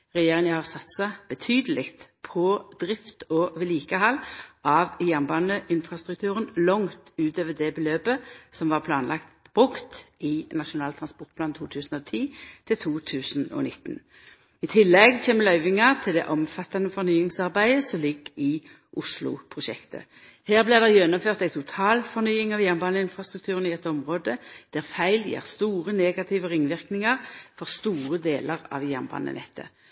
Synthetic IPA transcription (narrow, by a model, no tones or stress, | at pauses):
ʁɛjeːʁɪŋəhɑʁsɑt̪sɑb̥ət̪ʰyːd̪əlɪkt̪pʰɔd̪̥ʁɪft̪ɔːʋɪliːkəɦɑlːʔɑʋjæʁnbɑnəʔɪnfʁɑst̪ʁʉkt̪ʰʉːʁənlɔŋt̪ʉːt̪øːʋəd̪ɛbəløːpəsɔmʋɑːʁpʰlɑːnlɑkt̪b̥ʁʉkt̪ɪnɑʃʊnɑːlt̪ʰʁɑnspɔʁt̪̚pʰlɑːnt̪ʰuːt̪ʰʉːsn̩ɔt̪ʰiːt̪ʰɪlt̪ʰuːt̪ʰʉːsn̩ɔ̰nɪt̪ːn | ɪt̪ʰɪlːɛɡtʰeːməlœʏʋɪŋɑʁt̪ʰɪld̪ɛ̰ʔɔmfɑt̪ːɑnəfɔʁnyːɪŋsɑʁbæɪəsɔlɪɡːɪ | ʔʊslʊ̰pʰʁʊʃɛkt̪ə̰ | heːʁblɪʁd̪ɛjɛnːʊmføːʁt̪æɪt̪ʰʊt̪ʰɑːlfɔʁnyːɪŋɑʋjæːʁnbɑːnəɪnfʁɑst̪ʁʉk̚t̪ʰʉːʁənɪɛt̪ːɔmʁoːd̪əd̪̥æʁfæɪljḛːʁst̪uːʁəneːɡɑt̪ʰɪʋəʁɪŋʋɪʁknɪŋɑʁfɔʁst̪uːʁəd̪eːləʁɑ̰ʋjæʁnbɑ̰ːnə̰nʔɛ̰t̪ʰːə̰